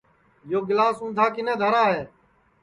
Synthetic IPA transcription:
joːɡɪlaːsũːnd̪ʱaːkɪnẽːd̪ʱəɾaːɦeː

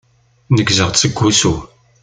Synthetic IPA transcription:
nəɡzəʁt͡sːəɡʷːusu

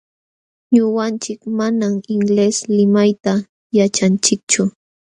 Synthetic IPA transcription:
ɲʊwant͡ʃɪkmanamɪŋleslɪmajt̪a | jat͡ʃant͡ʃɪk̚t͡ʃʊ

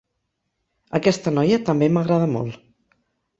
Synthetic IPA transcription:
əkɛst̪ənɔjət̪əmbeməɣɾað̞əmɔ̰lˠ

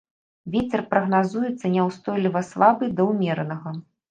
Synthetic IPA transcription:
vʲet͡sʲɛrpɾɐɣnazujɛt̪sːɐnʲɛwst̪ɔjlʲivɐslˠabɨd̪ɐwmʲɛɾɐnɐɣɐ

